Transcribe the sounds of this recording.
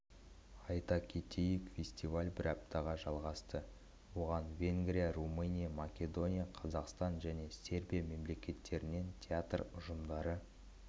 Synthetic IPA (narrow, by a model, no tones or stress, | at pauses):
ɑjt̪ɑkʲʰet̪ʰejɪkfʲe̞sʲt̪ʲivalʲbɪɾɑp̚t̪ʰɑʁɑʒɑlˠʁɑst̪ə | wo̞ʁɑnvʲe̞ŋɡɾʲijarumɨnʲijamakʲe̞d̪o̞nʲijaqʰɑzɑqst̪ɑnʒæne̞sʲe̞rbʲijame̞mle̞kʲe̞t̪ʰːe̞ɾɪne̞nt̪ʲʰeat̪rʊʒəmd̪ɑɾə